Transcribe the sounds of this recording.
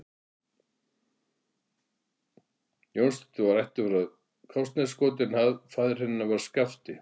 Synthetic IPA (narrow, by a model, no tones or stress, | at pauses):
jownst̪ɛ̥t̪ʏvaɾajht̪ʏfɾað | kʰɔwst̪nɛskɔːt̪̬ɪnhaðfaːðɪɾ̥hɛnːavaɾ̥skaft̪ɪ